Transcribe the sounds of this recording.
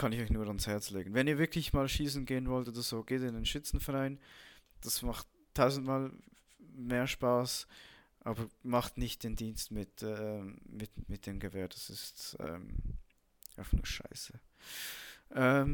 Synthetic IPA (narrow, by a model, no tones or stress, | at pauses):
kʰɑnɪçɔʏçnuːɐɑnshɛɐt͡sleːɡən̩vɛniːɐvɪɐkʰlɪçmaːlʃiːsn̩ɡeːənvɔltoːdəz̥oːɡ̥eːtɪndenʃɪt͡sn̩fɛʁaɪnd̥asmaχt̚ | tʰːaʊzn̩tmaːl | meːɐʃpaːs | ʔaːbəmɑχtnɪçt̚d̥eːndiːnstmɪtɛmɪtmɪt̚d̥eːmɡəvɛːɐd̥ɑsɪstɛ̰ːm | ʔa̰ʊfnṵːʃa̰ɪsə | ʔɛːm